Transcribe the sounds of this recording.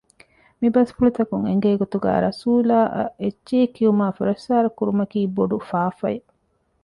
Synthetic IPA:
mibɐsfulut̪ɐkuŋḛŋɡeːɡot̪uɡæ̰ːɾɐsuːlaːʔɐ̰et͡ʃːʃeːkiumaːfuɾɐsːaːɾɐkuɾumɐkiːboɖufaːfɐ̰e

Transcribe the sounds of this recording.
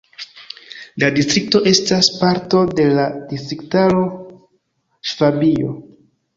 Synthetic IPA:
ladistɾik̚to̞ʔe̞staspaɾto̞de̞ladistɾiktaɾo̞ | ʃv̥abio̞̰

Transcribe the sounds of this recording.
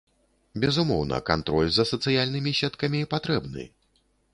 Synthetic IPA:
bʲɛzumɔwnɐ̰kant̪ɾɔlʲzɐsɐt̪sɨjalʲnɨmʲiɕʲɛt̪kɐmʲipat̪ɾɛbnɨ̰

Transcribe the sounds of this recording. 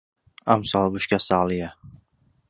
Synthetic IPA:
amsɑlˠbʊʃkʲasaːlˠɪja

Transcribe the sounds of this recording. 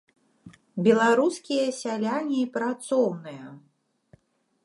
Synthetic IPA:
bʲɛlˠaɾuskʲijɐsʲalʲanʲiipɾat̪sɔwnɨjɐ

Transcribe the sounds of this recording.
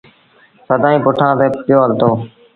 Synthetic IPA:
səd̪ʱãːĩːpʊʈʰãːt̪eːpɪjoːəɾt̪oː

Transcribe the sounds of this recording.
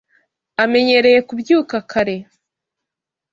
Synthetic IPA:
ame̞ɲe̞ɾe̞je̞kubjuːkakʰaɾe̞

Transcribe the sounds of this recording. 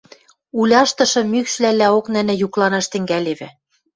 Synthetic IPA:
ulʲɑʃt̪ɤ̆ʃɤ̆mykʃlælːæoknɘ̆nɘ̆juklɑnɑʃt̪ɘ̆ŋɡæleβɘ̆

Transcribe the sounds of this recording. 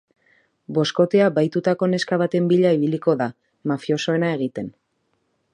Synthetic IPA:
bo̞sko̞t̪e̞abajt̪ut̪ako̞ne̞skaβat̪e̞mbiʎaiβiliko̞ða | mafio̞so̞e̞nae̞ɣ̞it̪e̞n

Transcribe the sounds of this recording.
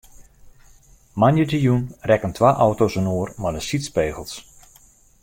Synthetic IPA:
manjədijunrɛkəntʰʋaʔɔwtosənoːərmadəsitspeːɣəlˠs

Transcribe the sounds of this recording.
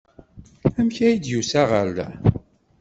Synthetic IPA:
æmçæjid̪jusæʁəl

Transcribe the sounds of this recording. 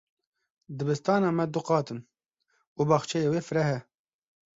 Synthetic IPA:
d̪ɨbɨst̪ɑːnɑːmɛd̪uqɑːt̪ɨn | uːbɑːχt͡ʃʰɛjeːweːfɨɾɛɦɛ

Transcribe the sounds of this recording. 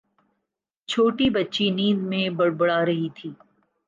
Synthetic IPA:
t͡ʃʰoːʈibɐtːʃiniːd̪mẽbɐɽbɐɽaːɾɐɦit̪ʰiː

